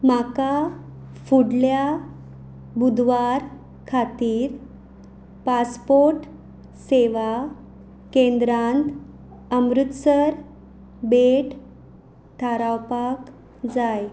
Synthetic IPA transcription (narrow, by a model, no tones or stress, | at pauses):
makafuɽlja | bud̪ʋaɾ | kʰat̪iːɾ | paspoɾʈ | seʋa | kend̪ɾant̪ | əmɾut̪səɾ | beʈ | t̪ʰaɾawpak | d͡zaj